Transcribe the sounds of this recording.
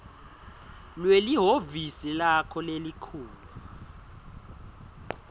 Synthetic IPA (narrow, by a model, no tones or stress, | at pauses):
lweliɦovisilakʰɔlelikʰuːlu